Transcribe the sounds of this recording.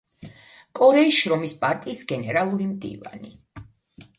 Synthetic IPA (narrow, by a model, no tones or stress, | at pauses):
kʼɔɾɛisʃɾɔmispʼaɾt̪ʼiːsɡɛnɛɾalˠuɾimd̪ḭva̰ni